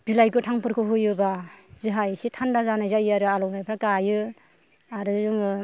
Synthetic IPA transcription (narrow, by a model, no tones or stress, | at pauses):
b̥ilajkɯtʰaŋpʰɯɾkʰɯɦujɯbazɯɦajsitʰandazanajzajaɾɯalɔwnajpʰɾakajɯ | aɾɯuŋ